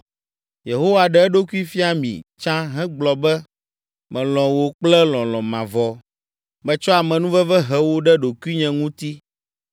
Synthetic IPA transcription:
je˨ɦo˦wa˨ɖɛ˦ɛ˦ɖo˦ku˦i˦fi˦a˨mḭ̃˨t͡ʃã˦ɦɛ̃˦ɡ͡blɔ˨bɛ˦ | mɛ̃˨lɔ̃˨wo˨k͡plɛ˦lɔ̃˨lɔ̃˨mã˨vɔ˨ | bɛ˦t͡ʃɔ˦a˨mɛ̃˨nũ˦vɛ˦vɛ˦ɦɛ˦wo˦ɖɛ˦ɖo˨ku˦i˦ɲɛ̃˨ŋũ˦t̪i˦

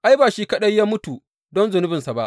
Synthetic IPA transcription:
ʔa˦jbaː˨ʃiː˦kɐ˦ɗɐ˦jjaː˦mʊ˦tu˨ | dɔ˦nzʊ˨nʊ˦bɪ˨nsa˨ba˦ʔ

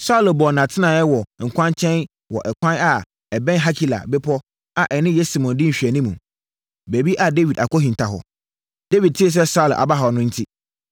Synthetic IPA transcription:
sa˦ʊ˨lbɔ˨nã˨tʰɪ˦nã˨jɛ˦wɔ˨ŋ̩˨kʷʰã˦nt͡ɕʰɛ̃˦n | wɔ˨ʔɛ˨kʷʰã˦na˨ | ɛ˨bɛ̃˦nɦa˦kʰi˨la̰˨bɪ˦pʰɔ˦ | a˨ʔɛ˨nɪ̃˦jɛ˦si˨mɔ̃˨ndɪ˦ɲ̩˨ɕᶣɛ˨nĩ˦mũ˨ | be˨bi˦ʔa˨de˦vi˨da̰˨kɔ˦hĩ˨n˨tʰa˨ɦɔ̰˨ | de˦vi˨d̚tʰɪ˦e˨s̬ɛ˦sa˦ʊ˨lʔa̰˨ba˦ɦa˨nʊ̃˦n̩˦tʰi˦

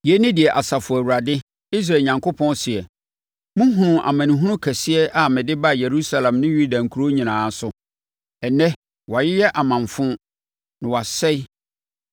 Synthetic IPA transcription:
jɛ˦nɪ̃˦dɪ˨ɛ˨ʔa˨sa˨fʊ˨æ˨wu˨ɾa˨dɪ˦ | i˦s̬ɾa˨ɲã˨ŋkʰo˦pʰɔ̃˦nsɪ˨ɛ˨ | mʊ̃˦ɦʊ̃˨nʊ̃˨ʔa̰˨mã˨nɪ̃˨ɦʊ̃˦ʊ̃˦kʰæ˨sɪ˦ɛ˦ʔa˨mɪ̃˨dɪ˦ba˦˨je˨ɾu˦sa˦lã˨mnɪ̃˦ju˦da˨ŋ̩˨kʰu˨ɾo˦ɲĩ˨nãː˨˦sʊ˨ | ɛ˨nɛ̃˦ | wa˨jɪ˦jɛ˦ʔa˨mã˨ɱfʊ̃˦ | nɪ̃˨wa˨sɛ˦

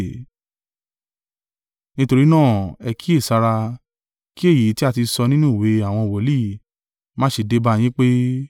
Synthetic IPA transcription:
nĩ˦to˧ɾi˦nãː˦˨ɛ˧ki˦e˦˨sa˧ɾa˧ | ki˦e˦˨ji˨˦ti˦a˦˧ti˧sɔ˧nĩ˦nũ˦˨we˨˦a˦˨w̃ɔ̃˧˨wɔ˨˦li˦˨ | mãː˦ʃe˧de˦ba˧˨j̃ĩ˦k͡pe˦

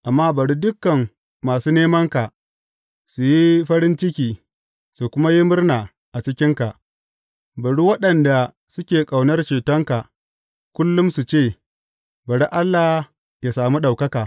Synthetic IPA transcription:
ʔa˨mːaː˦bɐ˨ɽu˦dʊ˦kːɐ˨ŋː | aː˨suː˦neː˦mɐ˦ŋka˨ | su˨ji˦ɸɐ˦ɾɪ˦nt͡ʃɪ˦kʲiː˨ | su˨kʷʊ˦ma˦ji˦mʊ˦rnaː˨ | ʔa˨t͡ʃɪ˦kʲɪ˦ŋka˨ʔ | bɐ˨ɽu˦wɐ˦ɗɐ˨nda˨ | sʊ˦kʲeː˨kʼa˨wnɐ˦rt͡ʃeː˨tɐ˦ŋka˨ | kʷʊ˦lːʊ˦msu˨t͡ʃeː˦˨ | bɐ˨ɽi˦ʔa˦lːa˨ | ja˨saː˨mu˦ɗa˨wkɐ˦kaː˨

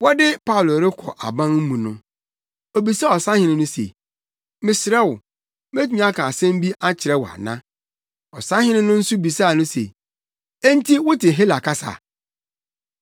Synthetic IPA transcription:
wɔ˦dɪ˦pʰa˦ʊ˨lʊ˨ɾɪ˦kʰɔ̰˨ʔa˨bã˦nm̩˦mũ˨nʊ̰̃˦ | o˨bi˨sɛ˦ɔ˨sã˦hɪ̃˦nɪ̃˦nʊ̃˦sḛ˨ | mɪ̃˨sɪ˨ɾɛ˦wʊ˨ | me˦tᶣu˦ɲ˦a˦kʰãː˨sɛ̃˦m˦bi˦ʔa˦t͡ɕʰɪ˨ɾɛ˦wa̰˨nã˦ | ɔ˨sã˦hɪ̃˦nɪ̃˦nʊ̃˦n̩˦sʊ˦bi˨saː˦˨nʊ̃˦sḛ˨ | e˦n˦tʰi˦wʊ˦tɪ˨ɦe˦la˨kʰa˦sa̰˨

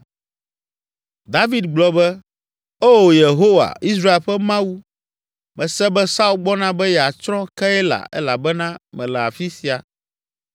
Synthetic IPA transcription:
d̪a˦vi˨d̪̚ɡ͡blɔ˨bɛ˦ | e˦wo˨je˨ɦo˦wa̰˨i˦s̬ɾa˦e˨lɸɛ˦mã˦wu˦ | mɛ̃˨sɛ˦bɛ˦sa˦u˦lɡ͡bɔ˦nã˦bɛ˦jɛ˨a˨t͡ʃɾɔ̃˦kɛ˦ɛ˦la̰˨ʔɛ̰˦la̰˨bɛ˦nã˦mɛ̃˨lɛ˨a˨fi˦si˨a˨

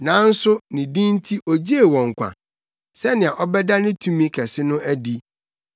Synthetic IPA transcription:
nã˨˦n̩˦sʊ˦nɪ̃˨dĩ˦n˦tʰi˦ʔɔ˨d͡ʑi˦e˨wɔ̃˨ŋ̩˨kʷʰã̰˨ | sɛ˦nɪ̃˨a˨ʔɔ˦bɛ˦da˦nɪ̃˦tʰũ˦mĩ˦kʰɛ˨sɪ˦nʊ̃˦æ˦di˦

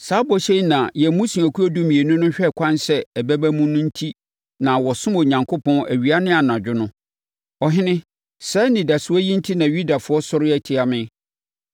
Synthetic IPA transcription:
saː˨˦bɔ˨ɕɛ˦i˦nã˨jɛ˨mũ˦sũ˨æ˨kʰu˦ɔ˦du˦mĩ˨e˨nʊ̃˦nʊ̃˦ɕᶣɛ˦˨kʷʰã˦nsɛ˦ɛ˨bæ˦bæ˦mũ˦nʊ̃˦n̩˦tʰi˦ | nã˨wɔ˨sʊ̃˦mo˨ɲã˨ŋkʰʊ˦pʰɔ̃˦næ̰˨ɥi˨a˦nɪ̃˦a˨nã˨d͡ʑᶣʊ˦nʊ̃˦ | ɔ˨ɦɪ̃˦nɪ̃˦ | sɛ˦nĩ˨da˨sʊ˦ɔ˦jĩ˦n̩˦tʰi˦nã˨ɥu˦da˨fʊ˨˦ɔ˦sʊ˦ɾɪ˦ɛ˨tʰɪ˦a˨mɪ̃˦

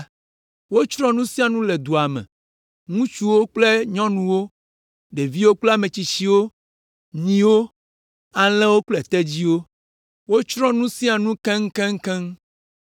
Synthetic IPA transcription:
wo˦t͡ʃɾɔ̃˦nũ˦sĩ˦a˨nũ˦le˨d̪u˨a˨mɛ̰̃˨ | ŋũ˦t͡ʃu˦wo˦k͡ple˦ɲɔ̃˦nũ˦wo˦ | ɖe˨vi˦wo˦k͡ple˦a˨mẽ˨t͡ɕi˦t͡ɕi˦wo˦ | ɲĩ˦wo˦ | a˨l̃ɛ̃˦wo˦k͡plɛ˨t̪ɛ˦d͡ʑi˦wo˦ | wo˦t͡ʃɾɔ̃˦nũ˦sĩ˦a˨nũ˦kɛ̃˦ŋ̩˦kɛ̃˦ŋ̩˦kɛ̃˦ŋ

